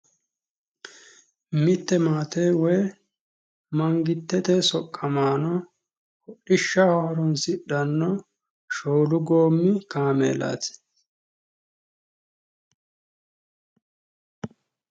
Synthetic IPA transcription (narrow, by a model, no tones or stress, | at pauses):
mɪt̪ːɛmaːt̪eːwɔj | mɐŋɡɪt̪ːɛt̪ɛsɔkʼːɐmaːnɔ | kɔɗɪʃːɐhɔhɔɾɔnsɪɗɐnːɔ | ʃoːlʊɡo̞ːmːɪkaːmḛːla̰ːt̪